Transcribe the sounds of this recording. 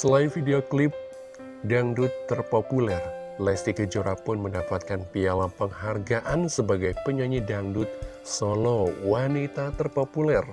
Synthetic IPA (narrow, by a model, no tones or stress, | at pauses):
səlaifideoklip̚ | daŋdʊt̪ːərpopulɛrlɛst̪ikəd͡ʒoɾapʊnməndapat̪̚kanpialapəŋɦarɡaʔansəbaɡajpəɲaɲidaŋdut̪̚ | solɔwanit̪at̪ərpopulɛr